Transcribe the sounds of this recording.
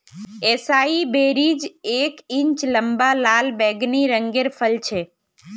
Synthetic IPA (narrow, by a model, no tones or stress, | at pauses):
esaːibeɾid͡ʒekĩɲt͡ʃləmbalalbɛɡniɾəŋɡeɾpʰəlt͡ʃʰe